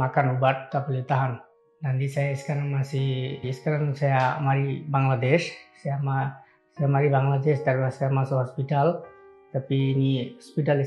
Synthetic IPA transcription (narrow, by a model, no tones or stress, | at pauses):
makanubat̪̚ːapəlit̪aɦan | dand̪isajaiskaɾanmasiiskaɾansajamaɾibaŋladɛʃsajama | sajamaɾibaŋlad̪ɛsd̪aɾbasajamasɔɦɔspitalt̪apiːniɔspitali